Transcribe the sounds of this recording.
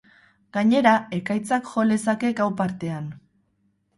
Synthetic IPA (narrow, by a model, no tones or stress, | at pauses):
ɡ̥aɲe̞ɾae̞kajt͡sakʝo̞le̞sake̞ɡawpaɾt̪e̞an